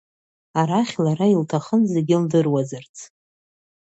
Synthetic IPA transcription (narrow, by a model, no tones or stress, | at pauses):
aɾaχʲlaɾailtʰaχənzeɡʲɪldɨrwazɨrt͡sʰ